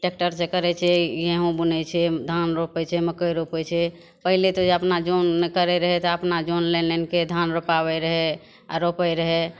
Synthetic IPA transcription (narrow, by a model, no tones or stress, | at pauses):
ʈek̚ʈəɾsekəɾɛt͡ʃʰɛjeɦõbənɛt͡ʃʰɛd̪ʱanɾopɛt͡ʃʰɛməkəɾopɛt͡ʃʰɛ | pəɦilet̪od͡ʒeəpnad͡ʒonːekəɾɛɾəɦɛt̪ɔəpnad͡ʒonlenenked̪ʱanɾopabɛɾəɦɛ | a̰ɾopɛɾəɦɛ